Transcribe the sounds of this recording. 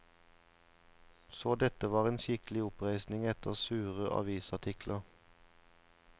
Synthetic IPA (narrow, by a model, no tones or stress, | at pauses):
soːd̪ɛt̪əʋɑːʁeːnʃɪklɪʊpʁæɪsnɪŋɛt̪əʁsʉːʁəʔɑ̰ʋiːsɑʈ̪ʰɪkʰlʔəʁ